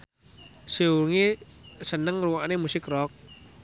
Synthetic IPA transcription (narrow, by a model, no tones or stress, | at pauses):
seuŋisənəŋruwanemusɪkrɔk̚